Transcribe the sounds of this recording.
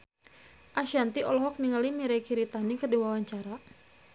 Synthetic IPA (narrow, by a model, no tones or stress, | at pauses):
ʔaʃant̪iʔɔlɔɦɔk̚niŋalimiɾɛkiɾit̪anikərdiwawaɲt͡ʃaɾa